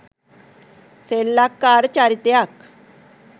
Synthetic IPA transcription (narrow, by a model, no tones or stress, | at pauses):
selːakːaɾt͡ɕaɾit̪jak